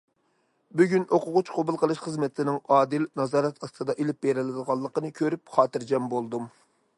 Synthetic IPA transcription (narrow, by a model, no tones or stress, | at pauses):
byɡʲynʔoqʊʁʊt͡ʃqʰobulˠqʰəlˠɨʃχəzmɪt̪ʰɪnɪŋɑːd̪ɪlnɑzɑːɾɛt̪ɑst̪ɨd̪ɑʔelɪp̚beɾɪlɪd̪əʁɑlˠːəqənɨkʲʰøɾyp̚χɑːt̪ɨɾd͡ʒɛmbolˠd̪um